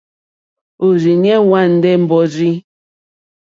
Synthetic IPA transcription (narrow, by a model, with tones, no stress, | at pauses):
o˨ɾi˨ɲ˦ɛ˦wa˦˨n̩˦dɛ˦m̩˨bɔ˦ɾi˦